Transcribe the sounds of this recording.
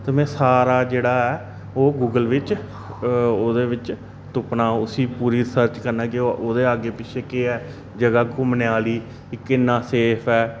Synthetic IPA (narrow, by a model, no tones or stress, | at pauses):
t̪emɛ̃ːsaːɾaːd͡ʒeːɽaːɛː | oːɡuːɡəlʋɪt͡ʃ | oːd̪eːʋɪt͡ʃ | t̪ʊpnãːʊsĩːpuːɾiːɾɪsəɾt͡ʃkəɾnãːkɪoːd̪eːaːɡeːpɪt͡ʃʰeːkeːɛː | d͡ʒəɡaːkʊmneaːliː | ɪkɪnːaːseːpʰɛː